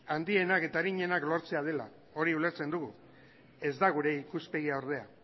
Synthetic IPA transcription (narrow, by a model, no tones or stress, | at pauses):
and̪ie̞nake̞t̪aɾiɲe̞naklo̞ɾt͡se̞að̞e̞la̰ | o̞ɾiule̞ɾt͡se̞nd̪uɣu | e̞zd̪aɣ̞uɾe̞ikuspe̞ɣ̞iaoɾð̞e̞a